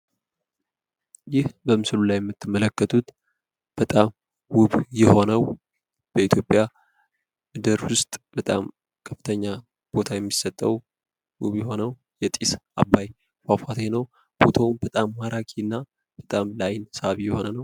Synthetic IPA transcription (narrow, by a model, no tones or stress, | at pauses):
jɪhbəmɨsɨlulajɛmːɨt̪ːɨmːələkːət̪ʰut̪ | b̥ət̪ʼam | wʊβjɛho̞nəw | b̥əit̪ʰjo̞pʼja | mɨd̪əɾwʊst̪ʼb̥ət̪ʼam | kʰəfːɨ̥t̪ʰəɲːa | b̥o̞t̪ʰajɛmːisət̪ʼːəw | wʊβjɛho̞nəw | jɛt̪ʼisa̰bːaj | fafat̪ʰenəw | b̥o̞t̪ʰawmbət̪ʼamːaɾakʰʼinːa | b̥ət̪ʼamlajnsaβijɛho̞nənəw